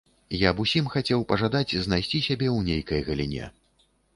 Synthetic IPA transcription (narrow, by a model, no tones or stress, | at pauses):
jabusʲimxat͡sʲɛwpɐʐad̪ad͡zʲznajsʲt͡sʲisʲabʲɛwnʲejkɐjɣɐlʲḭnʲɛ̰